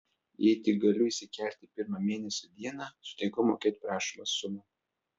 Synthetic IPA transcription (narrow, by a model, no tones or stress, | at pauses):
jɛɪt̪ʲɪɡɐlʲʊiːsʲɪkʲɛˑlʲt̪ʲɪpʲɪɾmɐmʲeːnʲɛsʲod̪ʲiɛnɑːsʊ̥t̪ʲɛɪkɔmo̰ːkʲeːt̪ʲpɾɑːʃʲimɐsʊmʊ